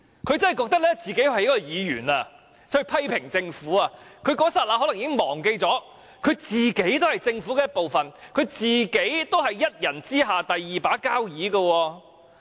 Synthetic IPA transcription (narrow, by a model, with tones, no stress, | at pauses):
kʰɵ˨˧ɥt͡sɐ˥nhjkɔː˧k̚t̪ɐ˥k̚lɛː˥t͡siː˨ke˨˥jhɐ˨jɐ˥kːɔː˧jiː˨˧ɥy̰ː˨˩na˧ | t͡sɵ˥˧pʰɐ˥jpʰɪ˨˩ŋt͡sɪ˧ŋfuː˨˥aː˧kʰɵ˨˧ɥkɔː˨˥saː˧t̚laː˧˥ɦɔ˨˥lɐ˨˩ŋiː˨˦˥ɪ˥ŋmɔː˨˩ŋke˧jt͡sɔː˨˥ | kʰɵ˨˧ɥt͡siː˨ke˨˥jt̪o˥hɐ˨jt͡sɪ˧ŋfuː˨˥kɛː˧jɐ˥t̚po˨wfɐ˨nkʰɵ˨˧ɥt͡siː˨˩ke˨˥jt̪o˥wɦɐ˨jːɐ˥t̚jɐ˨˩nt͡siː˥ɦaː˨t̪ɐ˨jːiː˨paː˨˥kaː˥wjiː˨˥ɡɐ˧wɔː˧